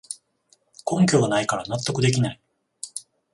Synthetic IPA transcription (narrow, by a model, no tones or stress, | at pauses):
kõ̞ŋkʲo̞ːɡanaikaɾanat̪ːo̞kɯ̟d̪e̞kʲinai